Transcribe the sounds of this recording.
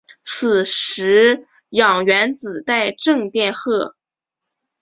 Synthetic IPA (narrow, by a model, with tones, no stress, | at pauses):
t͡s̩ʰ˨˩ʂɻ̩˧˥ | jɑ˨˩ŋɥɛ˧˥nt͡sɹ̩˨˩t̪a˥˧ɪʈ͡ʂɤ˥˧ŋt̪jɛ˥˧nxɤ˥˩